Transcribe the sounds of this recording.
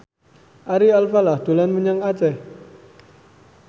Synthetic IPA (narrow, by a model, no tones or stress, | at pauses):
ʔaɾialfalahd̪̥o̤lanməɲaŋat͡ʃɛ